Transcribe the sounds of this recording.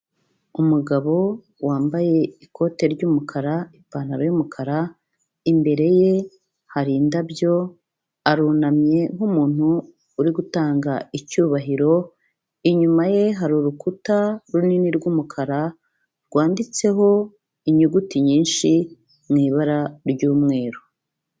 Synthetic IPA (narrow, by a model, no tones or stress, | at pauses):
umuɡaβo̞ | waːmbaje̞ikʰo̞te̞ɾɟuːmukʰaɾaipaːnaɾojumukʰaɾa | imbe̞ɾe̞je̞ | haɾiːndabjo̞ | aɾuːnamɲe̞ŋ̥umuːn̥huː | ɾiɡutaːŋɡaicuːβaɦiɾo̞ | iɲumaje̞ɦaɾuɾukutaɾuniniɾɡumukʰaɾa | ɾɡ̥waːndit͡se̞ɦo̞ | iɲuɡutiɲiːnʃi | mŋiːβaɾaɾɟuːmŋe̞ːɾo